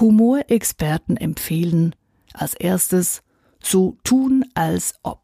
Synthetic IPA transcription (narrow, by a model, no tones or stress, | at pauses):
humoːɐʔɛkspʰɛɐtn̩ɛ̰mfeːlən̩ | ʔalsʔeːɐstəs | z̥oːtʰuːnʔalsʔɔ̰p̚